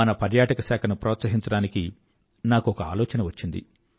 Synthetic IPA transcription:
ɐnɐpɐɾjaːʈɐkɐsɛːkʰɐnupɾɔːt̪sɐɦiɲt͡ʃɐɽaːniki | naːkuɔkɐa̰ːlɔːt͡ʃɐnɐʋɐt͡ʃːind̪ḭ

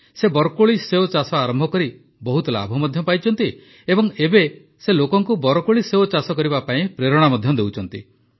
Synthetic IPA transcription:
sebɔɾɔkoɭiseot͡ʃasɔaɾɔmbʱɔkɔɾi | bɔɦut̪ɔla̰bʱɔmɔd̪ʱjɔpajt͡ʃʰɔnt̪i | ebɔŋebe | selokɔŋkubɔɾɔkoɭiseot͡ʃasɔkɔɾibapaĩpɾeɾɔɽ̃amɔd̪ʱjɔd̪ewt͡ʃʰɔnt̪ḭ

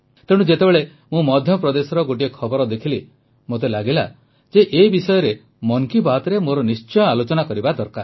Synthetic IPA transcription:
t̪eɽ̃ud͡ʒet̪ebeɭe | mũmɔd̪ʱjɔpɾɔd̪esɔɾɔɡoʈ̬iekʰɔbɔɾɔd̪ekʰili | mot̪̬elaɡila | d͡ʒeʔebisɔjɔɾe | mɔŋkibat̪ɔɾemoɾɔnist͡ʃɔjɔalot͡ʃɔnakɔɾibad̪ɔɾka̰ɾ

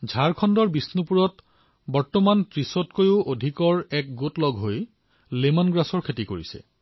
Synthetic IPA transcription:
zʱaɹkʰɔndɔɹbisnupuɹɔt | bɔɹtɔmantɹisɔtkojʊʔodʱikɔɹɛk̚ɡotlɔɡʱɦoj | lemɔnɡɹasɔɹkʰetikoɹisɛ̰

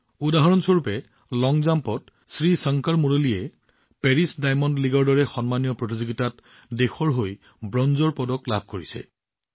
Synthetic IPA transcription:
udaɦɔɹɔnsoɹupɛ | lɔŋzampɔt | sɹisɔŋkaɹmuɹolijɛ | pɛɹisdajmɔnliɡɔɹdɔɹɛxɔnmanijɔpɹot̬izoɡitat | dexʰɔɹɦoj | bɹɔnzɔɹpɔdɔklab̚ʱkoɹisɛ̰

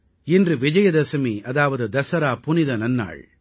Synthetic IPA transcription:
ɪndrɯʋɪd͡ʒɐjɐd̪ɐsɐmiʔɐðaːʋɐðɯd̪ɐsɐɾaːpʊnɪðɐnɐnːa̰ːɭ

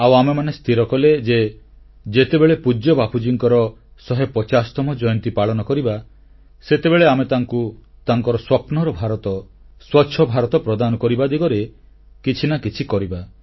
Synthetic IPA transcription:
awamemanest̪ʰiɾɔkɔled͡ʒe | d͡ʒet̪ebeɭepud͡ʒɔbapʰud͡ʒiŋkɔɾɔsɔɦepɔt͡ʃasɔ̥t̪ɔmɔd͡ʒɔjɔnt̪ipaɭɔnɔkɔɾiba | set̪ebeɭeamet̪aŋkut̪aŋkɔɾɔswɔpnɔɾɔbʱaɾɔt̪ɔ | swɔtːʃʰɔbʱaɾɔt̪ɔpɾɔd̪anɔkɔɾibad̪iɡɔɾe | kit͡ʃʰinakit͡ʃʰikɔɾiba

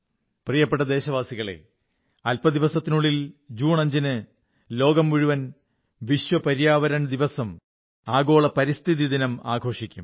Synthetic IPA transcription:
prijɐpːeʈːɐd̪e̞ːɕɐʋaːsiɣɐɭe̞̰ | ɐlpɐd̪iʋɐsɐt̪ːinuɭːild͡ʑuːɳɐɲd͡ʑinɨ | lo̞ːɡɐmːuɻuʋɐn | ʋiɕʋɐpɐɾijaːʋɐɾɐɳd̪iʋɐsɐm | aːɡo̞ːɭɐpɐɾist̪ʰiðid̪inɐma̰ːɡʱo̞ːʂikʲːum

